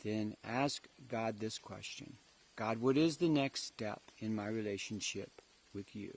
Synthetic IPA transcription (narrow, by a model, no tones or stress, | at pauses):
ðɨ̃næskɡ̥ɑd̪̚ðɪskʰw̥ɛ̰st͡ʃɨ̰̃n | ɡ̥ɑd̚wʌɾɪzðɨnɛkstɛ̰pɨ̃nmaɪɹileɪʃɨ̃n̩ʃɪp | wɨðjʉ̰